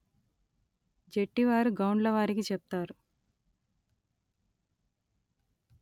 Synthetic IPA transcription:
d͡ʒeʈːiʋaːɾuɡɐwuɳɖlɐʋaːɾikit͡ʃɛp̚t̪aːɾu

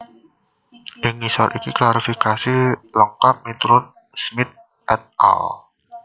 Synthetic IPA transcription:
ʔɪŋisɔɾʔikiklaɾifikasilɔŋkap̚mit̪ɾʊn | smɪt̪̚ | ʔɛt̪̚a̰l

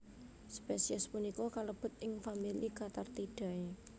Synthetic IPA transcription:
spesiɛspunikɔkaləb̥ə̤t̪̚ɪŋfamilikat̪art̪iɖ̥a̤e

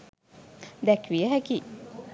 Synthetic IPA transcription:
d̪ɛkʋiəɦæki

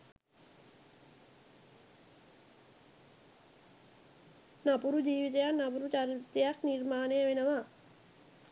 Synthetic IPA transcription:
napuɾud͡ʒiːʋit̪əjanapuɾut͡ʃaɾit̪ːejaknirmaːnejəʋenəʋa

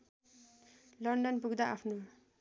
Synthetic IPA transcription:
lʌɳɖʌnpuɡd̪aʔapʰno

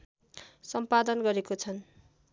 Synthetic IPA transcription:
sʌmpad̪ʌnɡʌɾekot͡sʰʌn

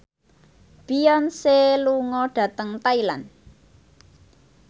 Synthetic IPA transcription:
b̥ijɔnseluŋɔɖ̥ä̤t̪əŋt̪ailan

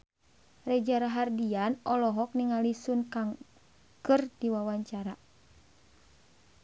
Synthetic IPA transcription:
rɛd͡ʒaɾaɦardianɔlɔɦɔk̚niŋalisunkaŋ | kɨrdiwawaɲt͡ʃaɾa

